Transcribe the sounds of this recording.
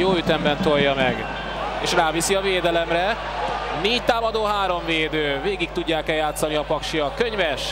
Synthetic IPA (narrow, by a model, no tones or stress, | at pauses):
joːyt̪ɛmbɛnt̪ojːɒmɛɡ | eːʃraːvisiɒveːd̪ɛlɛmrɛ | neːct̪aːmɒd̪oːɦaːɾo̞ɱveːd̪øːveːɡik̚t̪uɟːaːkɛjaːt̪sɒniɒpɒkʃiɒkøɲvɛʃ